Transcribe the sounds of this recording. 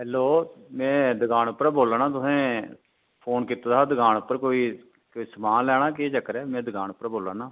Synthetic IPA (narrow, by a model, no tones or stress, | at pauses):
ɦɛːloːmɛ̃ːd̪əɡaːnʊpːəɾboːlaːnãːt̪ʊsẽː | pʰoːnkɪt̪ːd̪aːd̪əɡaːnʊpːəɾkoːiː | kːisəmaːlɛːɽ̃aːkeːd͡ʒəkːəɾɛːmɛ̃ːd̪əɡaːnʊpːəɾboːlaːnaː